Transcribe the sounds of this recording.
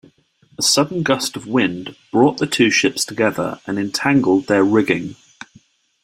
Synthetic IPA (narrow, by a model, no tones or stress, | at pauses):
əsʌdⁿn̩ɡʌstəvwɪ̃ndb̥ɹɔˑʔðətʰʉːʃɪpstʰəɡɛðə̰ɹə̃nɛ̃ntʰãŋɡəlˠd̪̚ðəɹɪɡɪ̃ŋ